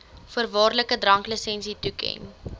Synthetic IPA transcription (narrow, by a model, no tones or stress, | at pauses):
fərvɑːrləkədrɐŋkləsɛnsitukɛ̰n